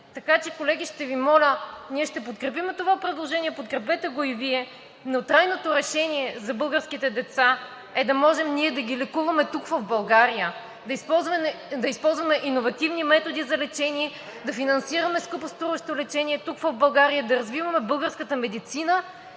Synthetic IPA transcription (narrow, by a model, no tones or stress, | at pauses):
t̪ɐkat͡ʃɛkolɛɡʲiʃt̪ɛvimɔlʲəniɛʃt̪ɛpot̪kɾɛp̬imɛt̪ovapɾɛd̪lˠoʒɛniɛpot̪kɾɛpɛt̪ɛɡoiviɛ | not̪ɾajnot̪oɾɛʃɛniɛzɐbɤlˠɡəɾskit̪ɛd̪ɛt̪sa | ɛd̪ɐmɔʒɛmniɛd̪ɐɡʲilɛkuvɐmɛt̪ukvɐvbɐlˠɡaɾijə | d̪ɐispɔzvɐɛd̪ɐispɔlˠzvɐmɛʔinovɐt̪ivnimɛt̪od̪izɐlɛt͡ʃɛniɛ | d̪ɐfinɐnsiɾɐmɛskupost̪ɾuvɐʃt̪olɛt͡ʃɛniɛt̪ukvɐvbɐlˠɡaɾijəd̪ɐɾɐzvivɐmɛbɤlˠɡəɾskət̪əmɛd̪it̪sinə